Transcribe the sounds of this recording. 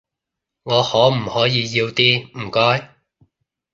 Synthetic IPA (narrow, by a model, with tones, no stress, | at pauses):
ŋɔː˨˧hɔː˨˥m̩˨˩hɔː˨˥jiː˨˧jiː˧wt̪iː˥m̩˨˩kɔː˥j